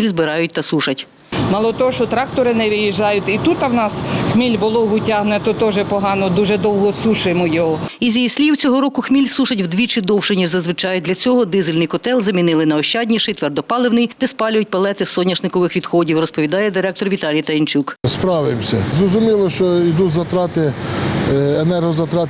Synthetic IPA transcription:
ilʲzbɪɾɑjʊt̚ʲt̪ɐsuʃɐtʲ | mɑlˠɔt̪ɔɦɔʃt͡ʃɔt̪ɾɑkt̪ɔɾɪnɛʋɪjiʒɑjʊtʲit̪ut̪ːɐwnɑsxmʲilʲʋɔlˠɔɦʊtʲaɦnɛt̪ɔt̪ɔʒɛpɔɦɑnɔd̪uʒɛd̪ɔwɦɔsuʃʊmɔjɔɦɔizʲijisʲlʲiwt͡sʲɔɦɔɾɔkʊxmʲilʲsuʃɐtʲwd̪ʲʋʲit͡ʃɪd̪ɔwʃɪnʲiʒzɐzʋɪt͡ʃɑjʊd̪lʲɐt͡sʲɔɦɔd̪ɪzɪlʲnɪjkɔt̪ɛlˠzɐmʲinɪlˠɪnɐɔʃt͡ʃɑdʲnʲiʃɪjt̪ʋɛrd̪ɔpɑlˠɪwnɪjd̪̥ɛspɑlʲʊjʊt̚ʲpɐlˠɛt̪ɪsɔnʲːɐʒnɪkɔʋɪxʋʲid̪xɔdʲiwrɔspɔʋʲid̪ɑjɛd̪ɪɾɛk̚t̪ɔrʋʲit̪ɑlʲijt̪ɐjint͡ʃukspɾɑwɪmsʲɐzɾɔzʊmʲilˠɔʃt͡ʃɔid̪uzɐt̪ɾɑt̪ɪ | enɛrɦɔzɐt̪ɾɑt̪

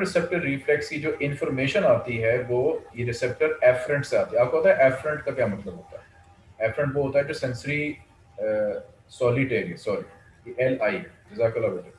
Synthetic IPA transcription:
ɾɪsɛp̚ʈəɾːiːfʰlɛkskid͡ʒoːʔɪ̃nfɔɾmeːʃənaːt̪iɦɛʋoːjeɾɪsɛp̚ʈəɾɛːfɾə̃ɳʈseaːt̪iɛaːp̚kopɐt̪aɦɛʔɛːfɾə̃ɳʈkakjaːmɐt̪ləbɦoːt̪a̰ɦɛ | ɛːfʰɾə̃ɳʈʋoɦoːt̪aɦɛd͡ʒoːsɛ̃nsəɾi | sɔːlɪʈeːɾẽsɔːɾi | jeʔɛlaːiɛɪzaːkəlaːboːt̪e

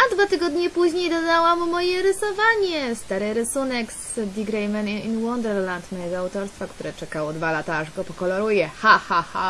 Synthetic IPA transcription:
ad̪vat̪ɘɡɔd̪ɲɛpuʑɲejd̪ɔd̪awamːɔjɛɾɘsɔvaɲɛst̪aɾɘɾɘsunɛksd̪ʲiɡɾɛjmɛninwɔnd̪ɛɾlant̪mɔjɛɡɔawt̪ɔɾst̪fakt̪uɾɛt͡ʂɛkawɔd̪valat̪aaʐɡɔpɔkɔlɔɾujɛxaxaxa̰

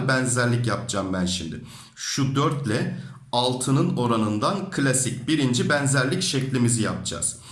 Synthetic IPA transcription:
bænzæɾlʲicjapd͡ʒaːmbænʃimd̪ɪ | ʃud̪øɾt̪lʲɛ | alˠt̪ʰɯnɯno̞ɾanɯnd̪ankʰɯlʲasicbiɾind͡ʒibɛnzæɾlʲicʃɛclʲimizijap̚d͡ʒa̰ːz̥

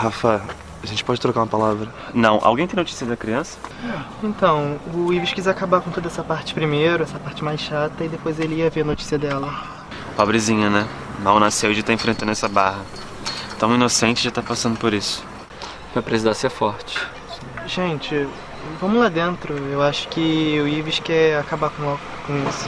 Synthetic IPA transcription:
hafa | aʒẽnt͡ʃɪpɔd͡ʒɪt̪ɾokaɾũɐpalavɾɐ | nɐ̃w̃ʔa̰wɡẽj̃t̪ẽj̃not͡ʃi̥siɐd̪ɐkɾiɐ̃sɐ̥ | ẽnt̪ɐ̃w̃ʊiviʃkizakabaɾkõt̪od̪ɐɛsɐpaɾt͡ʃɪ̥pɾimejɾʊɛsɐpaɾt͡ʃɪmajsʃat̪ɐid̪epojzelɪiɐvenot͡ʃi̥siɐd̪ɛlɐ | pɔbɾɪzĩɲɐnɛ | mawnasewd͡ʒɪt̪aẽfɾẽnt̪ɐ̃d̪ɛsɐbahɐ | t̪ɐ̃w̃inosẽnt͡ʃɪd͡ʒɪt̪aɾpasɐ̃nd̪ʊpoɾisʊ̥ | pɾɐpɾesizasefɔɾt͡ʃɪ̥ | ʒẽt͡ʃɪ | vɐ̃mʊlad̪ẽnt̪ɾʊewaʃʊ̥kɪʊiviʃkɛakabakõa | kõisʊ̥

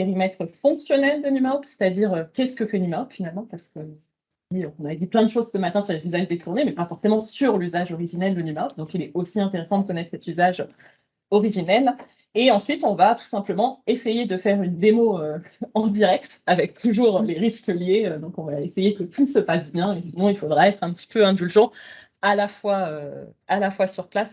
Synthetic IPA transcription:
peʁimɛt̪χəfɔ̃ksjɔnɛld̪ənymapse̥t̪ad̪iʁøkʲɛsə̥kəfɛnymapfinalmɑ̃paʁsə̥kə | diøɔ̃naɛd̪iplɛ̃d̪əʃozsəmat̪ɛ̃syʁlezyzaʒd̪et̪ʰuʁnemɛpafɔʁsemɑ̃syʁlyzaʒɔʁiʒinɛld̪ənymap̚d̪ɔ̃kilɛosiɛ̃t̪eʁesɑ̃d̪əkɔnɛt̪χsɛt̪yzaʒ | ɔʁiʒinɛl | eɑ̃sɥit̪ɔ̃vat̪u̥sɛ̃pləmɑ̃esejed̪əfɛʁynd̪emoøɑ̃d̪iʁɛk̚t̪avɛk̚t̪uʒuːʁleʁiskəljeød̪ɔ̃kɔ̃vaesejekət̪ʰusəpasbjɛ̃esinɔ̃ilfod̪ʁaɛt̪χɛ̃pət̪i̥pøɛ̃d̪ylʒɑ̃ | alafwaø | alafwasyʁplas

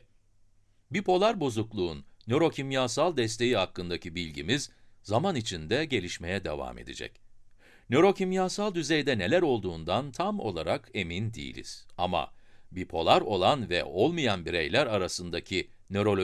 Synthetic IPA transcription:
bipʰo̞lˠaɾbo̞zuklˠuːnːø̞ɾo̞cʰimjaːsalˠd̪ɛst̪ʰe̞jihakːɯnd̪acibilʲɟimizzamanit͡ʃʰind̪ɛɟe̞lʲiʃme̞jɛd̪e̞̰va̰me̞̰d̪ḭd͡ʒɛ̰c | nø̞ɾo̞cʰimjaːsalˠd̪yzejd̪ɛne̞lʲæɾo̞lˠd̪uːnd̪ant̪ʰamo̞̰lˠaɾake̞mind̪ḭjḭlʲḭz̥ama̰bipʰo̞lˠaɾo̞lˠanvɛ̰ʔo̞lˠmijanbiɾḛjlʲæɾaɾasɯnd̪acʰinø̞ɾo̞lʲ

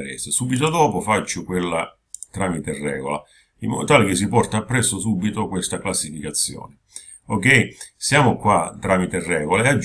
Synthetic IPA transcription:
ɾɛ̰sɪsuːbit̪od̪ɔːpʊfat͡ʃːʊkwelːa̰ | t̪ɾamit̪erːɛ̰ːɡola̰ | imːɔ̰d̪ot̪aːlek̟ɪs̬ːipɔrt̪aːpːɾɛsːʊsuːbit̪okwest̪aklasːifikat̪sːjɔ̰ːnɪ | ok̟ːɛisjaːmʊkwat̪ːɾaːmit̪erːɛːɡolaead͡ʒ

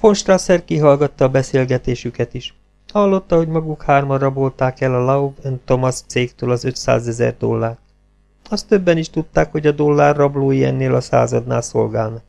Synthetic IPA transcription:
fo̞nʃt̪rasɛrkiɦɒlɡɒt̪ːɒːbɛseːlɡɛt̪eːʃykɛt̪iʃ | hɒlːo̞t̪ːɒɦo̞ɟmɒɡukhaːrmɒrɒbo̞lt̪aːkɛlɒlɒovønt̪omɒst̪seːkt̪øːlɒzø̞t̪sa̰ːzɛzɛ̰rd̪o̞̰lːaːrt̪ | ɒst̪ːøbːɛniʃt̪ut̪ːaːkho̞ɟɒd̪o̞lːaːrːɒbloːijɛ̰nːeːlɒsa̰ːzɒd̪na̰ːlso̞̰lɡaːlnɒ

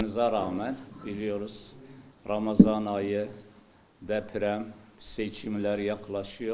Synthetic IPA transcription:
nɨzɑɾɑːmɛnbilijoɾuz̥ɾɑmɑzɑnɑjɯ | d̪ɛpʰɾɛmset͡ʃʰimlæɾjɑqʰlˠɑʃuju

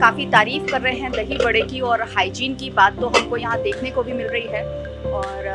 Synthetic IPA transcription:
kaːfit̪aːɾiːfkɐɾːɐɦeɦɛ̃d̪ɐɦibɐɽekiɔːɾhaːɪd͡ʒiːnkibaːt̪ːoɦɐmkojɐɦãd̪eːkʰnekobʱimɪlɾɐɦiɦɛː | ɔːɾ

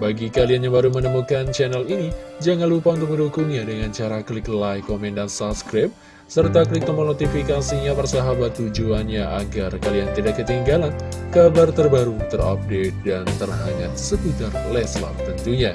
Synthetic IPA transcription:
baɡikalianjaŋbaɾumənəmukant͡ʃɛnɛlinid͡ʒaŋanlupaunt̪ʊk̚məndukʊŋɲadəŋant͡ʃaɾaklɪklajkomɛndansapskɾap̚ | sərt̪aklɪk̚məmənot̪ifikasiɲapərsaɦabat̪ːud͡ʒuanɲaʔa̰ɡarkaliant̪idakːət̪iŋɡalan | kabart̪ərbaɾut̪əra̰p̚det̪̚dant̪ərɦaŋansəkut̪ərlɛsla̰pt̪ənt̪uɲa

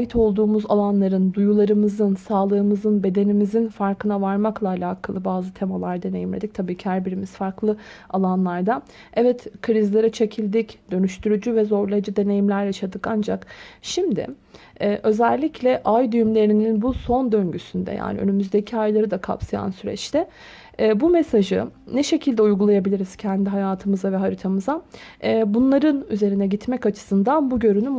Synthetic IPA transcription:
ajit̪ʰo̞lˠd̪uːmuzalˠanlˠaɾɯnd̪ujulˠaɾɯmɯzɯnsaːlˠɯːɯmɯzɯnbe̞d̪e̞nimizinfaɾkɯnavaɾmaklˠaːlʲaːkʰalˠɯbaːzɯt̪ʰe̞malˠaɾd̪e̞ne̞jimlʲed̪ic̚t̪ʰabiːcʰihæɾbiɾimisfaɾklˠɯ | alˠanlˠaɾd̪a | ɛvɛt̪kʰɾizlʲeɾɯt͡ʃʰe̞cʰilʲd̪icd̪ø̞nyʃt̪ʰyɾyd͡ʒyvɛzo̞ɾlˠajd͡ʒad̪e̞ne̞jimlʲæɾjaʃad̪ɯkand͡ʒakʃimd̪ɪ̰ | ʔø̞zɛlʲːicʰlʲɛʔajd̪yjymlʲe̞ɾininbuso̞nd̪ø̞ɲɟysynd̪ɛ̰ja̰ːnḭø̰nymyzd̪e̞cʰiajlˠaɾɯd̪akʰa̰psaja̰nsyɾɛ̰t͡ʃt̪ʰɛː | bumesaʒɯnɛʃe̞cʰilʲd̪ɛujɡulˠajabilʲiɾiz̥cʰɛnd̪iɦajaːt̪ʰɯmɯzavɛɦaɾit̪ʰamɯzaː | bunlˠaɾɯnyze̞ɾinɛɟit̪mɛcat͡ʃʰɯ̥sɯnd̪anbuɟø̞ɾynym

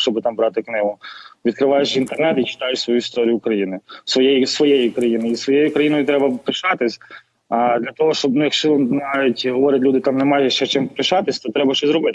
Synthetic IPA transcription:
ʃt͡ʃɔbɪt̪ɑmbɾɑt̪ɪknɪɦʊʋʲid̪kɾɪʋɑjet͡ʃint̪ernɛt̪it͡ʃɪ̥t̪ɑjʊt͡ʃʲsʋɔjuist̪ɔɾʲijʊːkɾɐjinɪsʋɔjɛjisʋɔjejikɾɐjinɪisʋɔjejʊkɾɐjinɔjʊt̪ɾɛbɐpɾɪʃɑt̪ɪsʲ | d̪lʲɐt̪ɔɦɔʃt͡ʃɔbnujɐkʃt͡ʃɔnɑʋʲitʲɦɔʋɔɾʲɐt̪ʲlʲud̪ɪt̪ɑmnɛmɑjʒɛʃt͡ʃɛt͡ʃɪmpɾɪʃɑt̪ɪsʲt̪ɔt̪ɾɛbɐʃt͡ʃɛzɾɔbɪt̪

